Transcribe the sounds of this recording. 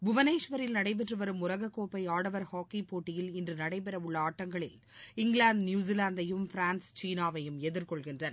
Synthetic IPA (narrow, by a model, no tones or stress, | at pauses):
bʊʋɐneːʂʋɐɾɪlnɐɽɐɪp̬ɛʈrɯʋɐɾɯmʊɾɐɣɐkːoːpːɐɪaːɽɐʋɐɾhaːkipoːʈːɪjɪlɪndrɯnɐɽɐɪp̬ɛɾɐʋʊɭːɐaːʈːɐŋɡɐɭɪl | ɪŋɡɭaːnd̪njuːz̬ilaːnd̪ɐjɯmfɪɾaːnst͡ʃiːnaːʋɐjɯmɛðɯɾkɔɭɣɪndrɐnɐ